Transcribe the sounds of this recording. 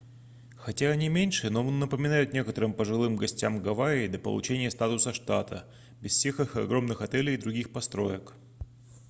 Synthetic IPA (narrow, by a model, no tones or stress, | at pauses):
xɐtʲaɐnʲimʲenʲʂɨnoonːəpəmʲɪnajʊt̪nʲe̞kət̪əɾɨmpəʐɨlˠɨmɡɐsʲtʲamɡɐvaɪd̪lʲəpə̰lˠʊ̰t͡ɕenʲɪjəst̪at̪ʊsəʂt̪at̪ʰə̰ | bʲɪsfsʲe̞xɨxɐ̰ɡɾo̞mnɨxɐt̪ɛlʲɪjd̪ɾʊɡʲixpɐst̪ɾo̞̰jək